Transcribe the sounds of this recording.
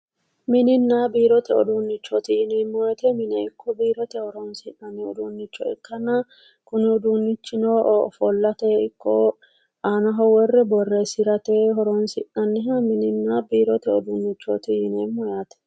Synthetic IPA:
mɪnɪnːaːbiːɾɔt̪ɛɔd̪unːɪt͡ʃːɔt̪ɪjɪneːmːɔjɐt̪ɛmɪnɛɪkːɔbiːɾɔt̪ɛhɔɾɔnsɪʔɐnːɪɔ̰d̪uːnːɪt͡ʃːɔɪ̰kːɐnɐ | kʊnɪɔd̪unːɪt͡ʃːɪnofɔlːɐt̪eːɪkːɔ | aːnɐɦɔwɔrːɛbɔrːesɪɾɐt̪eɦɔɾɔnsɪʔɐnːɪɦɐmɪnɪnːaːbiːɾɔt̪ɛɔd̪uːnːɪt͡ʃːɔt̪ɪjɪneːmːɔjaːt̪ɛ̥

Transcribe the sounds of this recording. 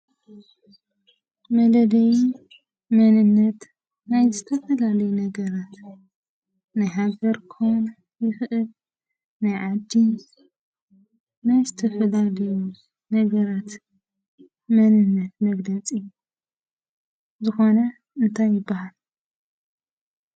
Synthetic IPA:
mɐlɐlɐj | mɐnɨnːɐt̪ | najzɨt̪ʰɐfɐlalɐjunɐɡɐɾat̪ | najɦaɡɐɾkʰown | jɨxʔɨl | najʕad̪ːi | najzɨt̪ʰɐfɐlalju | nɐɡɐɾat̪ | mɐnɨnːɐt̪mɐɡlɐt͡sʼiju | zɨxo̞nɐ | ɨnt̪ʰajːɪbːahal

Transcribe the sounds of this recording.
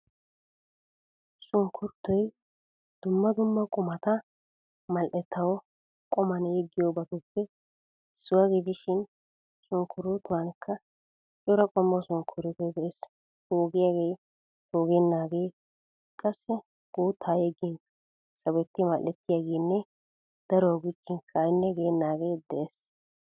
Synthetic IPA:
sʊŋkʰʊɾt̪ːɔj | d̪̥ʊmːɐd̪ʊmːɐkʼʊmɐt̪ɐ | mɐlʔɛt̪ːɐwɔ | kʼʊmɐnjɛɡːɪjobɐt̪ɔpːɛ | sʊwɐɡɪd̪ɪʃɪn | sʊŋkʰʊɾʊt̪ːʊwɐnkʰːɐ | t͡ʃʼʊɾɐkʼɔmːɐsʊŋkʰʊɾɪt̪ɛd̪ɛʔes | hoːɡɪjaɡej | toːɡɛnːaːɡeː | kʼɐsːɛ | ɡ̥uːt̪ʰːaːjɛɡɪnɐ | sɐbɛt̪ːɪmɐlʔːɛt̪ːɪjaɡeːnːɛ | d̪̥ɐɾɔɔɡɪt͡ʃːɪnkʰɐjnːɛɡenːaːɡejd̪ɛʔes

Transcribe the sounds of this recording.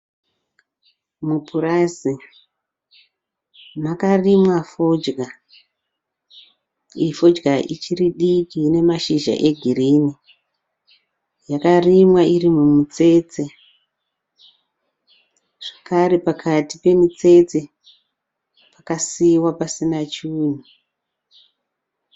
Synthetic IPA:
mupʰurazi | makarimwafod͡ʒɡa | ifo̞d͡ʒɡaʔit͡ʃiriɗikiːne̞maʃiʒa̰ʔe̞ɡʱiriːni | jakarimwairimumut͡se̞ːt͡se | ʐ̥akaɾe̞pakʰatipe̞mut͡se̞t͡se̞ | pakasiwapasinat͡ʃuːn̤u

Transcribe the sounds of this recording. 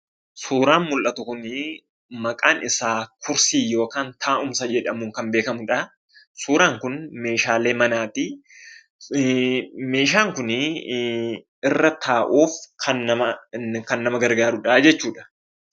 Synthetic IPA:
suːɾaːnmʊlʔɐt̪ʊkʊn | mɐkʼaːnɪsaːkʊɾsiːjo̞ːkaːnt̪ʰaːʔʊmsɐd͡ʒɛᶑɐmʊŋkɐmbeːkɐmʊᶑɐ | suːɾaːŋkʊnme̞ːʃaːle̞ːmɐnaːt̪ɪ | me̞ːʃ̬aːŋkʊn | ɪrːɐt̪ʰaːʔuːfkʰɐnːɐmɐkɐnːɐmɐɡɐɾɡaːɾʊᶑɐd͡ʒɛt͡ʃːuːᶑɐ̥

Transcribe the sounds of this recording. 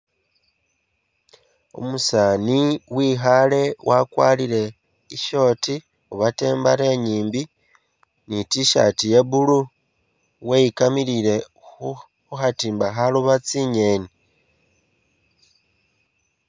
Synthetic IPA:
ṵmusaːniwiːɦale̞wʔakwaːlile̞ | iʃo̞ːti | uβate̞ːmbaɾe̞ɲiːmbi | nitiʃa̰tije̞βulu | wejikamilile̞ | uxatiːmbaxaluβat͡siɲe̞ːni

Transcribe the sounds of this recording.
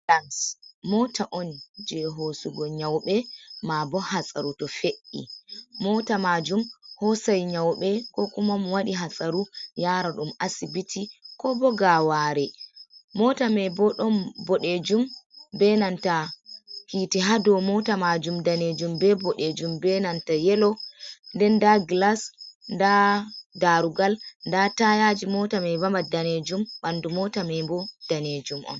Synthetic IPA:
lansmɔtaʔɔnd͡ʒɛɦosuɡɔɲawɓɛmabɔhasʼa̰ɾutɔfeʔːḭmɔtamad͡ʒumhɔsajɲawɓɛkɔkumamɔwaɗiɦasʼaɾujaːɾaɗumasibitʰikɔbɔɡawaːɾɛmɔtamɛbɔɗɔnbɔɗed͡ʒumbɛnanta | hitɛɦadɔmɔtamad͡ʒumdaned͡ʒumbɛbɔɗed͡ʒumbɛnantajɛlɔndɛndaɡlasndadaɾuɡalndatajad͡ʒimɔtamɛvambadaned͡ʒumbandumɔtamɛbɔd̥aned͡ʒumʔɔ̰n

